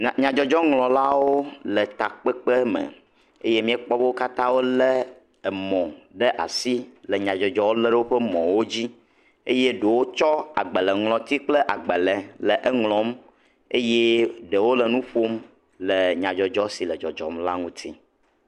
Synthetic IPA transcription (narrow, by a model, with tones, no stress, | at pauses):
ɲã˨d͡ʒɔ˨d͡ʒɔ˦ŋlɔ̃˨la˦woo˦lɛ˨t̪a˨k͡pɛ˦k͡pe˦mə̰˨ | e˦je˦mĩ˦ɛ˦k͡pɔ˦bo˦wo˦ka˦t̪ã˦wo˦lɛ˦ | ɛ˨mɔ̃˨ɖə˦ʔa̰˨si˦lə˨ɲã˨d͡ʒɔ˨d͡ʒɔ˦wo˦lɛ˦ɖə˦wo˦ɸə˦mɔ̰̃˨wo˦d͡ʑi˦ | e˦je˦ɖu˨wo˦t͡ʃɔ˦a̰˨ɡ͡bə˨lɛ˨ŋlɔ̃˨t̪i˦k͡ple˦ʔa˨ɡ͡bɛ˨lɛ˨lə˨ʔɛ˦ŋlɔ̃˨m | e˦je˦ɖə˨wo˦lə˨nũ˦ɸo˦m | lə˨ɲã˨d͡ʒɔ˨d͡ʒɔ˦si˨lɛ˨d͡ʒɔ̰˨d͡ʒɔ̰˨mla˦ŋũ˦t̪ʰi˦